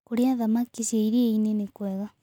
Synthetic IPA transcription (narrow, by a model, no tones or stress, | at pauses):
koɾiaðamakisiaiɾieinenekwɛɣa